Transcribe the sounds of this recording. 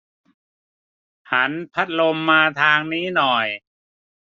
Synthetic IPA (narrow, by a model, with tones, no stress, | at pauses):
ha˩˦˥npʰa˦˥t̪̚lo˧mːaː˧t̪ʰaː˧ŋniː˦˥nɔ˨˩j